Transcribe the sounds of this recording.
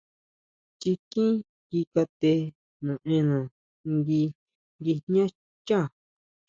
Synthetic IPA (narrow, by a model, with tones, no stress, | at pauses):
t͡ʃi˧kĩ˦ | ɡi˧ka˧t̪e˧ | nũ˨ẽ˧nũ˨ | ŋɡi˧ | ŋɡi˧nɲã˦ | t͡ʃã˦˨